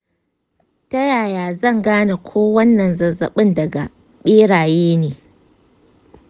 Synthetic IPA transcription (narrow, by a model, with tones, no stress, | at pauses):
tɐ˦jaː˨jaː˨zɐ˦˨ŋɡaː˦na˨kʷʰoː˦wɐ˦nːɐ˨nzɐ˨zɐ̰˨ɓɪ˦˨ndɐ˨ɡa˨ | ɓeː˦ɽaː˨jeː˦neː˨